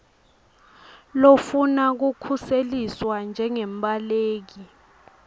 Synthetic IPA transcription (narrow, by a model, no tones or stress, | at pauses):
lofunak̬ukʰuseliswand͡ʒʱɛŋɛmɓʼaleːk̬i